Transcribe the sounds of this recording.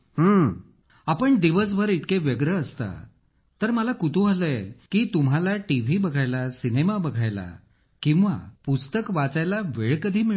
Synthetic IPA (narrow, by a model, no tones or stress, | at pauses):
ɦə | apəɳd̪iʋəs̬bʱəɾit̪keʋjəɡɾəːst̪a̰ | t̪əɾməlakut̪uɦaləkiːt̪um̤alaʈiʋ̤ibəɡʱajlasinemabəɡʱajla̰ | kĩw̃ʋa̰pust̪əkʋat͡sajlaʋeɭkəd̪ʱiːmi